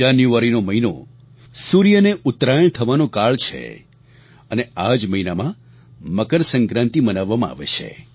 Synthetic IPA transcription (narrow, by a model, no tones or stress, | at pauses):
anjuʋaɾinoməɦino̰ | suɾjəneʔʊt̪ɾajəɳ̃t̪ʰəʋanõkaɭt͡ʃʰḛ | ənead͡ʒməɦinamã | məkəɾsə̃ŋkɾãnt̪ibənaʋːamãa̰ʋḛt͡ʃʰḛ